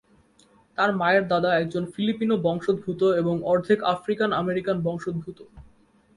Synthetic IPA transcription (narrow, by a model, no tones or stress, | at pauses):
t̪aɾmaeɾd̪ad̪aɛk̚d͡ʑonfilipːinobɔŋʃod̪̚bʱut̪oeboŋɔɾd̪ʱikafɾikanameɾikanbɔŋʃod̪̚bʱut̪o